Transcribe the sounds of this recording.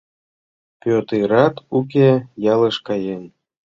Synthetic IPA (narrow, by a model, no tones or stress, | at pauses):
pʲøt̪eɾɑt̪uk̬ʲejɑləʃkɑjen